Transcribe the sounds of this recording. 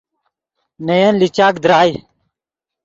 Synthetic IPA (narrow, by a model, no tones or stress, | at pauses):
nejɐnlit͡ɕaːkd̪ɾaːj